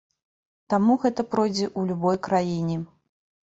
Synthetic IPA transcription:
t̪amuɣɛt̪ɐpɾɔjd͡zʲɛʔulʲubɔjkɾajinʲɛ

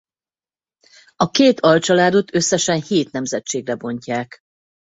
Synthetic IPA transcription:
ɒkeːt̪ʰɒlt͡ʃɒlaːd̪o̞t̪ø̞sːɛʃɛnheːt̪nɛmzɛt͡ʃeːɡrɛbo̞ɲcaːk

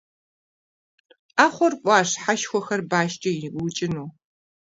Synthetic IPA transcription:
aːχʷɔrkʷʼɑːɕħaʃxʷɔxɐrbaːʃt͡ʃʼɐjɪʔut͡ʃʼɪnuː

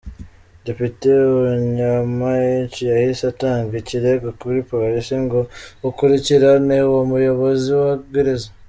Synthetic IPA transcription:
depiteuɲamajicijahisataːŋɡiciɾeɡokuɾipolisiŋɡoukuɾiciɾanewomujo̞βo̞ziwaɡeɾeza

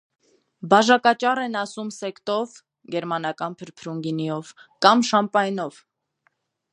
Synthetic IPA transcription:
bɑʒɑkɑt͡ʃɑrɛnɑsumsɛkt̪ɔv | ɡɛɾmɑnɑkɑnpʰəɾpʰɾuŋɡinijɔvkɑmʃɑmpɑjnɔv

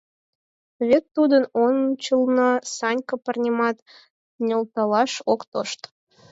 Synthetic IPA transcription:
βʲet̪ːud̪ənont͡ɕəlnɑsɑnʲkəpərnʲemɑt̪ | nʲolt̪ɑlɑʃokt̪oʃt̪

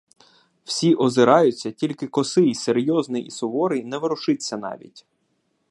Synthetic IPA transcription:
w̥sʲiʔɔzɪɾɑjʊt͡sʲːɐtʲilʲkɪkɔsɪiseɾʲjɔznɪjḭsɔʋɔɾɪjnɛʋɪɾʊʃɪsʲːɐnɑ̰ʋʲḭtʲ

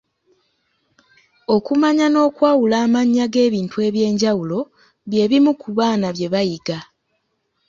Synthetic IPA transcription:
o̞kumaɲano̞ːkwaːwulaːmaɲːaɡe̞ːβiːntue̞ːβje̞ːɲɟawulo̞ | βje̞ːβimukuβaːnaβje̞βajiɡa

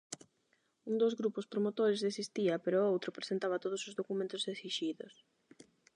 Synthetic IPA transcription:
uŋd̪ozɣɾupʊspɾomot̪oɾezðesist̪iɐpeɾʊowt̪ɾopɾesent̪aβɐt̪oð̞ʊsozðokumẽnt̪ʊzesiʃiðʊs

